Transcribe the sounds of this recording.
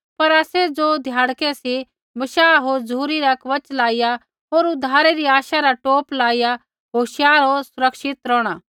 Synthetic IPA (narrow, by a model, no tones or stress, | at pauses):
pɐɾaːsɛd͡zoːd̪ʱjaːɽkɛsi | mɐʃaːɦoːɾd͡zuːɾiɾakʋɐt͡ʃlaːɪja | ɦoːɾʊd̪ʱaːɾeɾiaːʃaɾaʈoːplaːija | ɦoːʃjaːɾosʊɾɐkʃɪt̪ɾɔːɽ̃aː